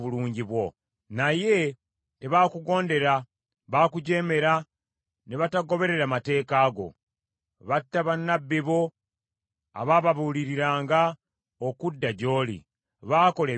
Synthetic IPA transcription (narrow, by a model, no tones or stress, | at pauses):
βuluːɲɟiβwo̞ | naje̞ | te̞βaːkuɡo̞ːnde̞ɾa | βaːkuɟe̞ːme̞ɾa | neβataɡo̞βe̞ɾe̞ɾamate̞ːkaːɡo̞̰ | βatːaβanːabːiβo̞ | a̰βaːβaβuːliɾiɾaːŋɡa | okudːaɟo̞ːlḭ | βaːko̞le